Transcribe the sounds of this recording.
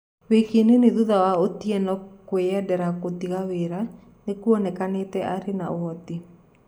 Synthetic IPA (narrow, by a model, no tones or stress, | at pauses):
wekeneneðuðawaotiɛnɔkweɛdɛɾakot̪iɣaweɾa | nekuɔnɛkanetɛaɾena̰wɔt̪i